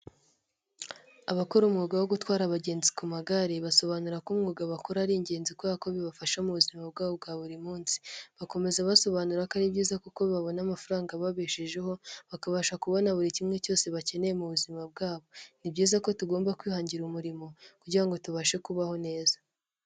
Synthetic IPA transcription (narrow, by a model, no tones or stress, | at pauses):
aβakoɾumŋuːɡawo̞ɡutwaːɾaβaɟe̞ːnzi̥kumaɡaɾiβaso̞βanuɾakumŋuːɡaβakoɾaɾiːɲɟe̞ːnzikwako̞βiβafaʃamuβuzimab̚ɡaːβob̚ɡaːβuɾimuːnsi̥βako̞me̞zaβaso̞βaːnuɾakaɾibɟiːzakuko̞βaβo̞namafaɾaːŋɡaβaβeʃeʒe̞ho̞βakaβaʃakuβo̞naβuɾicimŋe̞co̞ːse̞βace̞ne̞jemuβuzimab̚ɡaːβo̞nibɟiːzako̞tuɡoːmbakwiːhaːɲɟiɾumuɾimo̞kuɟiɾaŋɡo̞tuβaʃekuβaho̞ne̞ːzḁ